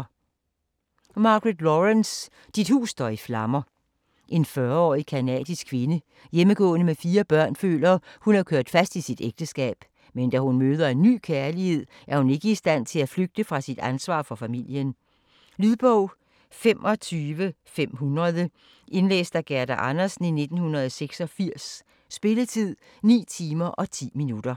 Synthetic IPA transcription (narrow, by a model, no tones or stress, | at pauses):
mɑ̈ɡ̥ʁed̥lɒʁens | d̥id̥hṵːsːd̥ɒiflɑ̈mɐ | ʔe̝nfɶɐɒ̰ːikʰænɛ̰ːd̥isɡ̥kʰʋe̝nə | jeməɡ̥ɔ̰̽ːnəmefiːɐb̥ɶɐ̰nfø̰ːlɐːhunæɐkʰøɐd̥fæsd̥isid̥eɡ̥̚d̥əsɡ̥ɛ̰ːb̥ | mend̥æhunmøːð̞ˠɐe̝nːy̰ːkʰæɐlihe̝ð̞̰ˠ | ʔæɐhune̝ɡ̥əisd̥æn̰t͡sʰe̝læfløɡ̥̚d̥əfʁɑ̈sid̥ænsʋɑ̰̈ːfɒ̽fæmil̰jən | lyðˠb̥ɔʊ̰ | fem̰ʔɒ̽t͡sʰyːʋə | fem̰ɦunɐð̞ˠə | ʔe̝nlḛːsd̥æɡ̥æɐd̥æʔɑnɐsn̩ine̝d̥n̩hunʁɐðˠseɡ̥sɒ̽fiɐ̰sː | b̥e̝lət͡sʰið̰ˠ | nḭːt͡sʰiːmɐʔɒ̽t͡sʰḭːminud̥ɐ